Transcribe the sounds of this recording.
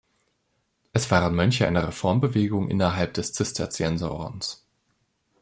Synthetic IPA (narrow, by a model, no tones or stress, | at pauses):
ʔɛsv̥aːʁənmœnçəʔa̰ɪnɐʁefɔɐmbəveːɡʊŋʔɪ̰nɐɦalp̚d̥ɛst͡sɪstʰɐt͡sɛnzo̰ːʁ̰ns